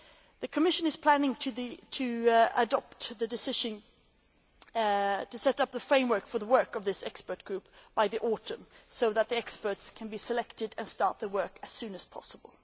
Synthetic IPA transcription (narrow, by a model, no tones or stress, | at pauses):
ðɨkʰɨmɪʃɨ̃nɨz̥pʰl̥æ̃nɪ̃ŋtʰɨtʰɨədɑp̚tðɨdɨsɪʒɨ̃n | tɨsɛɾʌp̚ðəfɹẽɪ̃mwɜ˞kfə˞ðəwɜ˞kʌvðɪsɛkspə˞t̚ɡ̥ɹʉp̚b̥aɪðiʔɔɾə̃msoʊðət̪̚ðiɛkspə˞tskʰɨ̃nbisɨlɛktɨdɨ̃nstɑɹt̪̚ðəwɜ˞kɨz̥sʉ̃nɨz̥pʰɑ̰səbəl̩ˠ